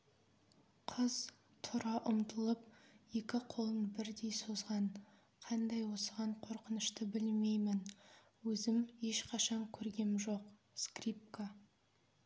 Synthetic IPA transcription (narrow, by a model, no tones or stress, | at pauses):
qʰəz̥ | t̪ʰʊɾɑʔʊmt̪əlˠəp̚je̞kʲɪqʰo̞lˠənbɪɾd̪e̞jsozʁɑn | qʰɑnd̪ɑjwo̞səʁɑɴqʰo̞ɾqənəʃt̪əbɪlme̞jmɪn | wɵzɪme̞ʃqʰɑʃɑŋkʲʰɵɾɡʲe̞mʒo̞q | skrip̚ka